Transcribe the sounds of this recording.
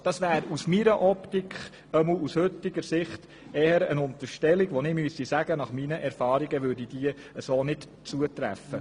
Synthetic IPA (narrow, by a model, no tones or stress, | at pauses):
d̥ɑsʋæːɾusmiɾəʔɔptikχ | əml̩ushɵt̪ːɪɡ̥əɾsɪχt̪ | ɛːəɾənʊnt̪əɾʃtɛliɡ̥ʋɔnɪmyəsisæɡ̥ənɑχminəʔɛɾfɑːɾiɡəʋʏɾdid̥iə | əsoːnɪt | t͡suət̪ɾæ̰fə